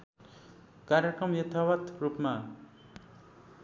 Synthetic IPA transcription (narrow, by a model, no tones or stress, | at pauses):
kaɾjekrʌmjʌt̪ʰawat̪rupma